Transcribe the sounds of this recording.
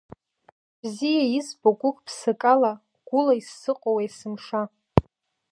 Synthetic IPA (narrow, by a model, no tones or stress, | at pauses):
b̥zijajizbokʷʼʊkʼpʰsɨkʼala | ɡ̥ʷʊlaisːɨqʼowajsɨmʂa